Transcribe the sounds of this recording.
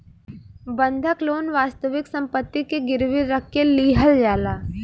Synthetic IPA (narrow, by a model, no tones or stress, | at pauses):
bə̃nd̪ʱəkloːnʋaːst̪əʋɪksɐ̃mpət̪ːikeɡɪɾʋɪɾəkːeliːɦəld͡ʒaːlaː